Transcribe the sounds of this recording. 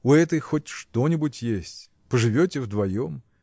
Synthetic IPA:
ʊɛt̪əjxotʲʂt̪o̞nʲɪbʊtʲjesʲtʲ | pəʐɨvʲotʲɪvd̪vɐjom

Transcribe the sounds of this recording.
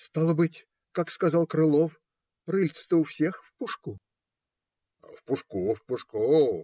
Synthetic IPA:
st̪alˠəbɨtʲ | kakskɐzɑlˠkɾɨlˠof | rɨlʲt̪sɨ̥t̪ɨʊfsʲexfpʊʂku | fpʊʂkufpʊʂku

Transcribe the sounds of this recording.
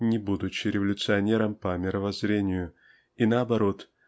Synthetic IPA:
nʲɪbud̪ʊt͡ɕːɪɾʲɪvəlʲʊt̪sɨɐnʲe̞ɾəmpəmʲɪɾəvɐzɾʲenʲɪjʊ | inəɐbɐɾo̞t̪

